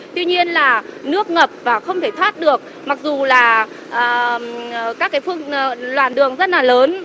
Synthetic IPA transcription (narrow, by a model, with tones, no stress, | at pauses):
t̪wi˧ɲi˧ənlaː˨˩nɨ˦˥ək̚ŋə˨˩p̚vaː˨˩xə˧wŋ͡mt̪ʰe˧˩t̪ʰwaː˦˥t̚ɗɨ˨˩ək̚ | ma˨˩k̚zu˨˩laː˨˩ | ʔəː˨˩ | kaː˦˥kːaː˨˦jfɨ˧əŋ˨lwaː˨˩nɗɨ˨˩əŋzə˦˥t̚laː˨˩ləː˨˦n